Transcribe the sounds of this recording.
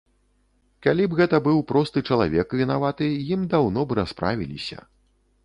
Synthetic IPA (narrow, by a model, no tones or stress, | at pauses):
kalʲibɣɛt̪ɐbɨwpɾɔst̪ɨt͡ʂɐlˠa̰vʲɛkvʲinavat̪ɨjimd̪awnɔbɨɾaspɾa̰vʲilʲḭsʲɐ̰